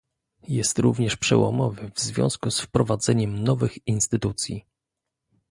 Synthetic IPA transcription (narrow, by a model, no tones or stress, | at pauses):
jɛst̪ɾuvɲɛʂpʂɛ̰wɔ̰mɔvɘvzvʲjɔ̰̃w̃skusfpɾɔvad̪zɛɲɛmnɔvɘxinst̪ɘt̪ut̪sʲjḭ